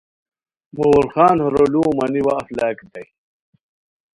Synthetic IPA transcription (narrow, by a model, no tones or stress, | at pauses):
moːɾxaːnhoɾoluːmɐniwaːflaːkit̪ɐj